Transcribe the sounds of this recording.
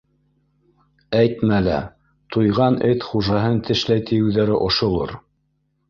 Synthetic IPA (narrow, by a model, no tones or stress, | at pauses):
æjt̪mælæ̰ | t̪ujʁɑnɘt̪χuʒɑɦɤnt̪ʰɘ̆ʃlæjt̪ʰĭjɘ̆wðæɾɘʔŏʃŏlˠo̰ɾ